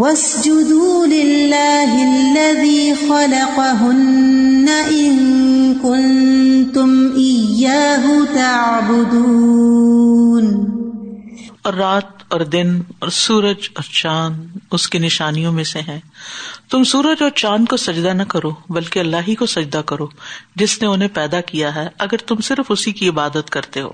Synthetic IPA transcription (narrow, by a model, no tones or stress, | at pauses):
wɐs | d͡ʒʊd̪uːlɪlːaːɦɪlːɐðiːxɑlɑqɑɦʊnːaʔɪnkʊnnt̪ʊmʔɪjːaːɦʊt̪aʕbʊd̪uː | n | ɔːɾːaːt̪ɔːɾd̪ɪnɔːɾsuːɾəd͡ʒɔːɾt͡ʃaːnʊskinɪʃaːnijõmẽseɦɛ̃ːt̪ʊmsuːɾəd͡ʒɔːɾt͡ʃãːnkosɐd͡ʒd̪anɐkɐɾoːbɐlkeɐlːaːɦikosɐd͡ʒd̪akɐɾoːd͡ʒɪsneʊnɦẽpɛːd̪akijaɦɛɐɡəɾt̪ʊmsɪɾfʊsikiɪbaːd̪ət̪kɐɾt̪eɦo̰ː